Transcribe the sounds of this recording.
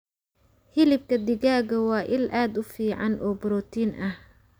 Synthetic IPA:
hɪlɪb̚kʰɐd̪ɪɣaːɣɐwɑːʔɪlʔaːd̪ʊfiːʕɑnʔɔːbʊɾɔːt̪ʰiːnʔɐh

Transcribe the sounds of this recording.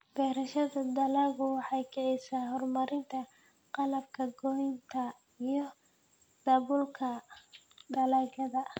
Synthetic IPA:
b̥ɛːɾɐʃɐðɐd̪ɐlaɣʊwɑħɑjkʰɛʕɛjsaːɦɔrmɐɾɪnt̪ʰɐ | qɑlɐb̚kʰɐɡɔjnt̪ʰɐ | ijɞ | d̪̥ɐβʊlkʰɐ | d̪ɐlaːɡɐðɐ

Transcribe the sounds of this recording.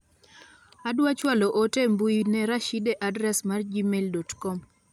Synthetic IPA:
adwat͡ʃwalɔʔotɛmbuinɛɾaʃidɛʔadɾɛsmard͡ʒimeldɔtkɔm

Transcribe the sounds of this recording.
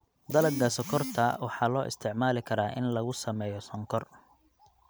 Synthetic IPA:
d̪ɐlɐɡɡɐsɔkʰɔrt̪ʰɐwɑħɑːlɔːʔɪ̰st̪ʰɪʕmaːlɪkʰɐɾaːʔɪnlɐɣʊsɐmɛːjɔsɔŋkʰɔr

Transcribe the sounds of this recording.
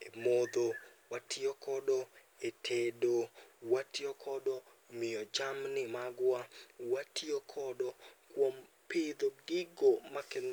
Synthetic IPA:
emod̪owatʰiɔkʰɔdɔ | etʰedowatjɔkʰɔdɔ | mɪɔd͡ʒamnɪmaɡwawatʰjokʰɔdɔkwom | pɪd̪oɡɪɡomakɛn

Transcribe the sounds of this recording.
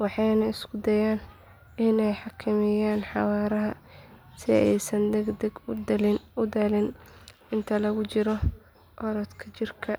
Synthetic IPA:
wɑħɑjnɐɪskʰʊd̪ɐjaːn | ɪnɛjħɑkʰɐmɪjaːnħɑwɑːɾɐɦɐ | sɪɛ̰jsɐnd̪ɛɡd̪ɐɡ̪lɪʊd̪ɐlɪn | ɪnt̪ʰɐlɐɣʊt͡ʃɪɾɔ | ʔɔɾɔt̪kʰɐt͡ʃɪrkʰɐ

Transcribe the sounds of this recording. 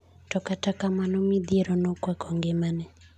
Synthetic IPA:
tɔkatakamanɔmid̪ieɾɔnɔkwakʰɔŋɡemanɛ

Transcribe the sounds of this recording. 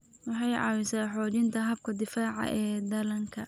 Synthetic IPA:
wɑħɑjʕɑ̰ːwɪsaːħɔːt͡ʃɪnt̪ʰɐɦɐb̚kʰɐd̪ɪfaːʕɑ̰ʔɛːd̪ɐlɐŋkʰɐ

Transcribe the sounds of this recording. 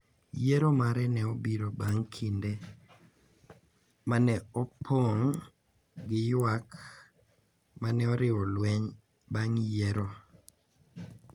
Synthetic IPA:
jeɾomaɾɛnɛobiɾobaŋkʰinde | manɛɔpʰoŋ | ɡɪjwak | manɛɔɾɪwɔlwɛɲ | baŋjeɾo

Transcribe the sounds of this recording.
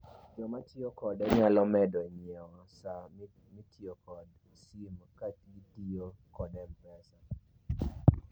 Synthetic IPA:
d͡ʒɔmatiokɔdɛɲalɔmɛdɔiɲiɛwɔsa | mitʰiokɔd | simkatɡitiokɔdɛmpɛsa

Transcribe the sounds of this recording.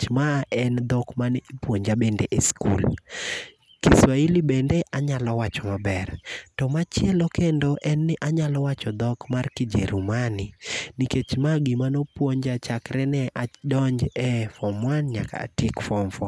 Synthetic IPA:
t͡ʃmaʔɛnd̪ɔkmanɪipwoɲd͡ʒabendeʔeskṵl | kiswailibɛndɛʔaɲalɔwat͡ʃɔmabɛrtɔmat͡ʃjɛlɔkendɔʔɛnːɛʔaɲalɔwat͡ʃɔd̪ɔkmarkɪd͡ʒḛɾumaniniket͡ʃmaɡimanopwoɲd͡ʒat͡ʃakɾɛnɛʔadɔɲd͡ʒɛfɔmwanɲa̰ka̰ːtɪkfɔmfɔ

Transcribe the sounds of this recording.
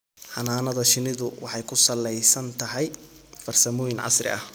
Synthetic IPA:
ħɑnaːnɐðɐʃɪnɪðʊwɑħɑjkʰʊsɐlɛjsɐnt̪ʰɐɦɛj | fɐrsɐmɔːjɪnʕɑ̰srɪ̰ʔɐh

